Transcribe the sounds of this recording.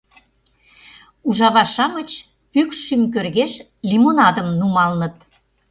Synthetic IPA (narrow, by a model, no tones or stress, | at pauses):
uʒɑβɑʃɑmət͡ɕ | pykʃymk̬ørɣeʃ | lʲimonɑd̪ə̆mnumɑlnə̆t̪